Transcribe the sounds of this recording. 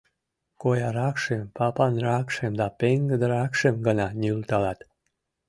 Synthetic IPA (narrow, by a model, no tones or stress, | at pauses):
kojɑɾɑkʃempɑpɑnɾɑkʃemd̪ɑpeŋɡəd̪əɾɑkʃemɡənɑnylt̪ɑlɑt̪